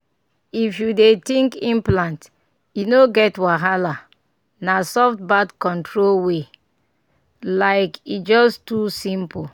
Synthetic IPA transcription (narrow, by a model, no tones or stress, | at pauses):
ifjudetĩŋkĩmplãnt | inoɡɛtwaɦala | nasɔft̚badkɔ̃ntʰɹolwe | laɪkit̚d͡ʒɔstusĩmpo